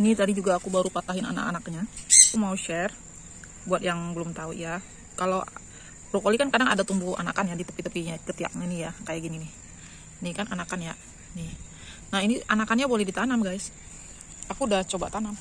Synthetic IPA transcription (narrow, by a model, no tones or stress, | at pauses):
nit̪adid͡ʒuɡaːkubaɾupat̪aɦɪna̰na̰ka̰nak̚ɲaakumauʃɛr | buat̪̚jaŋbəlʊmt̪aṵja | kalo | bɾokolikankadaŋadat̪umbua̰nakanjadit̪ə̥pit̪əpiɲat͡ʃət̪ia̰k̚ɲanijakajaʔɡininɪ | nikananakanja | nɪh | nahiniʔanakanɲabolɛhdit̪anamɡajs | akudat͡ʃobat̪anam